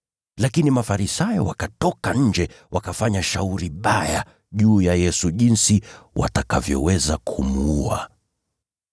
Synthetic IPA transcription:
lakinimafaɾisajɔ̰wakatɔkaɲ̩d͡ʒɛ | wakafaɲaʃauɾiɓaja | ʄuːjajɛsuʄinsiwʔa̰takavjɔ̰wɛzakʰumuua̰

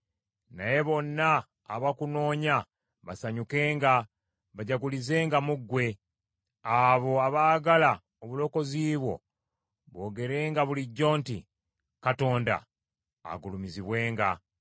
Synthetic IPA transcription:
naje̞βo̞nːaː | βakuno̞ːɲa | βasaɲuke̞ːŋɡa | βaɟaɡulize̞ːŋɡamuɡːwe̞ | aβo̞aβaːɡala | oβulo̞ko̞ziːβwo̞̰ | βwo̞ːɡe̞ɾe̞ːŋɡaβuliɟːo̞ːntḭ | kato̞ːnda̰ː | ɡulumiziβwe̞ːŋɡa

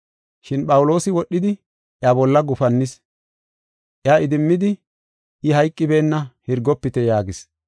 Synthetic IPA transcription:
ʃɪnpɐwlo̞ːsɪwɔɗːɪd̪ɪ | ʔjaːbɔlːɐɡʊfɐnːɪs | ʔjaːɪd̪ɪmːɪd̪ɪ | ʔɪɦɐjkʼːɪbe̞ːnːɐhɪɾɡɔpːɪt̪ɛjaːɡɪs

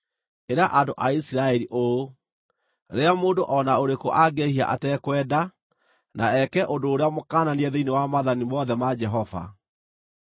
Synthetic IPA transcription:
eɾaʔandoʔaisiɾaɛɾiʔo | ɾeamoːndoʔɔnaoɾekoʔaɡehia̰ʔa̰tɛkwɛːda | nʔaɛkɛʔondoːɾeamokaːnaniɛðeinewamaðanimɔðɛmad͡ʒɛɦɔva̰

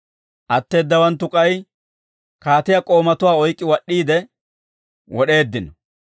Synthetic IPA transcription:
ʔɐt̪ːe̞ːd̪ːɐwɐnt̪ːʊkʼɐj | kaːt̪ɪjɐkʼo̞ːmɐt̪ʊwaːɔjkʼːɪwɐɗːiːd̪ɛ | wɔɗe̞ːd̪ːɪnɔ

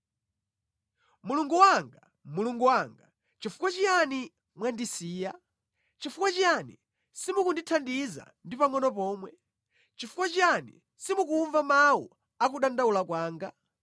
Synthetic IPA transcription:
muluŋɡuwaŋɡa | muluŋɡuwaŋɡa | t͡ʃifu̥kwat͡ʃijani | mwandisiːja | t͡ʃifukwat͡ʃijanḭ | simukunditʰandiza̰ndipaŋɔnɔpɔːmwɛ | t͡ʃifu̥kwat͡ʃijanḭ | simukuːɱvamawu | akuɗandaulakwaːŋɡa

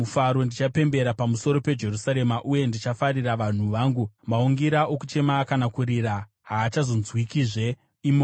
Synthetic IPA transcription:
ufaɾo̞ndit͡ʃape̞mbe̞ɾapamuso̞ɾo̞pe̞d͡ʒe̞rusaɾe̞maʔuje̞ndit͡ʃafaɾiraʋan̤uʋaːŋɡumauŋɡiɾaʔokut͡ʃe̞maːkanakuɾiɾa | ɦaːt͡ʃazo̞nzwikiʐe̞ | imo

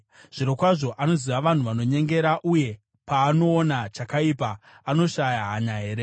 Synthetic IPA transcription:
ʐ̥iɾokwaʐo̞ʔano̞ziʋaʋan̤uʋano̞ɲe̞ŋɡe̞ɾaʔuje̞ | paːno̞ːnat͡ʃakaipa | ano̞ʃajaɦaɲaɦe̞ːɾe

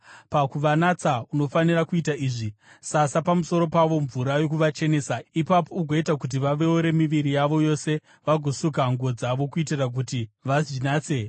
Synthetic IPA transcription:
pakuʋanat͡sauno̞fanirakuitaiːʐisasapamuso̞ɾo̞paʋo̞ɱvuɾajo̞kuʋat͡ʃe̞ne̞ːsaipapo̞uɡʱoitakut̬iʋaʋe̞uɾe̞miʋiɾijaʋo̞jo̞se̞ | ʋaɡʱosukaŋɡo̞d͡zaʋo̞kuitirak̬utiʋazinaːt͡se̞

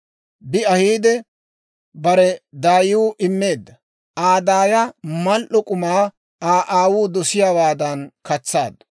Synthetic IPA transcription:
bɪɐhiːd̪ɛ | bɐɾɛd̪aːjʊʔɪmːe̞ːd̪ːɐ | aːd̪aːjɐmɐlʔɔkʼʊmaː | aːʔaːwuːd̪ɔsɪjaːwaːd̪ɐnkɐt͡sːa̰ːd̪ɐ

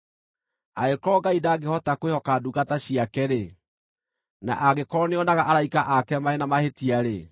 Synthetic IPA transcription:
a̰ekɔɡaidaɡehɔtakwehɔkaduɣataɕiakɛɾe | na̰ʔaɣekɔɔneɔnaɣaʔaɾaikaʔakɛmaenamahetiaɾe

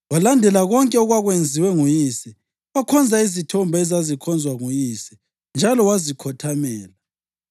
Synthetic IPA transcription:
walandʱɛlaɣɔŋkʼɛɔɣwaɣwend͡zʱiwɛŋujiːsɛ | wakʰɔnd͡zʱaizitʰɔmbʱaɛzazikʰɔnd͡zʱwaŋujiːsɛ̥ | nd͡ʒʱalɔwazikʰɔtʰamɛːla

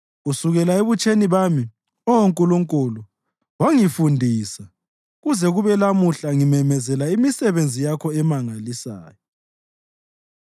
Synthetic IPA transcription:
ɣusuɣɛlaeβut͡ʃʼeniβami | ɔwoŋkʼuluŋkʼulu | waŋifundʱiːsa | ɣuzɛɣuβɛlamuɬaŋimɛmɛzɛlaimisɛβend͡zʱijakʰɔɛmaŋalisa̰ːjɔ

